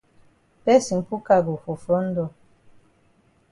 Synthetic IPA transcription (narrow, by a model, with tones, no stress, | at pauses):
pɛ˦si˨ŋ̩˨pu˦ka˦˨ɡu˨fo˨fɔ˦n̩˦dɔ˨